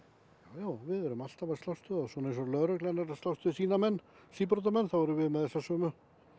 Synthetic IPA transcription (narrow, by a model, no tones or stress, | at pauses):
jaːwjaːwvɪðɛɾʏmal̥t̪avḁst̪awst̪ʏaswɔnejnsɔlœɾœklɛnɛɾast̪awst̪ʏsiːnamɛnː | siːpɾɔt̪amɛnθawvɛɾʏvɪðmɛðɛsːasœːmʏ